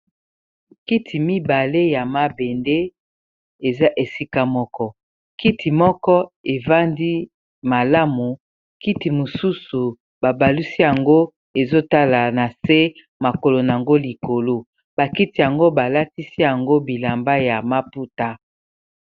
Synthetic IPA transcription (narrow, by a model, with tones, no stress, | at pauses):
ki˦tʰi˨mi˦ba˨le˦ja˨ma˦be˨nde˦ | e˨za˦ʔe˨si˦ka˦mɔ˦kɔ˦ | ki˦ti˨mɔ˦kɔ˦e˨va˦ndi˦ | ma˨la˦mu˨ | ki˦ti˨mo˨su˦su˨ | b̥a˨ba˨li˦si˦ja˨ŋɡo˦ | e˨zo˦ta˦la˨na˨se˦ | ma˨ko˨lo˨na˨a˨ŋɡo˦li˨ko˨lo˦ | ba˨ki˦ti˨ja˨ŋɡo˦ba˨la˦ti˦si˦ja˨ŋɡo˦bi˨la˨mba˦ja˨ma˦pu˦ta˦